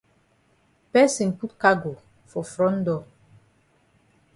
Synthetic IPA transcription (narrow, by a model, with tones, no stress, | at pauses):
pɛ˦si˨ŋ˨pu˦tka˦ɡo˨ | fɔ˨fɾɔ˦n̩˦dɔ˨